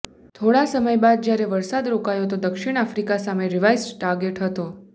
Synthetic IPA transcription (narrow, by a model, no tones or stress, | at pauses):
t̪ʰoɽasəməjbad̪̚d͡ʒjaɾeʋəɾsad̪ɾokajot̪od̪əkʃiɽ̃afɾikasameɾiʋajsʈaɾɡeʈɦət̪o